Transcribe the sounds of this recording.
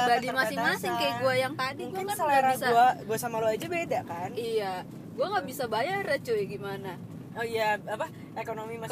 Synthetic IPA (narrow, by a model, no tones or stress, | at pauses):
badimasɪŋmasɪŋkajɡuajaŋt̪adiɡuŋsalaɾabisaɡuaɡuasamaload͡ʒabedaʔkanija | ɡuaŋɡaʔbisabajarət͡ʃojaɡimana | oijaapa | ekonomimas